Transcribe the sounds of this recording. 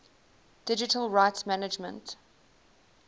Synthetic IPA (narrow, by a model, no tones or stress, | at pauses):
d̥ɪd͡ʒɪtʰəlˠɹaɪtsmænɪd͡ʒmə̰̃nt